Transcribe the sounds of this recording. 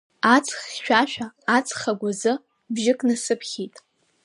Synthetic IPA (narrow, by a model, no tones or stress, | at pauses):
at͡sʰʼχʃᶣaʃᶣaːt͡sʰʼχaɡʷazɨ | bʒɪkʼnɨsɨpʰχʲitʼ